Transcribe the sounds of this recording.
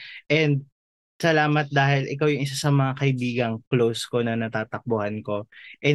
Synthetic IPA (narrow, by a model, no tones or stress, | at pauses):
ʔɛnd̪̚ | sɐlaːmɐt̪̚d̪aːhɪlʔɪkawjʊŋɪs̬asɐmɐŋakɐʔɪbiːɡɐŋklowsko̞nɐnɐt̪aːt̪ɐk̚bohanko̞ʔɛ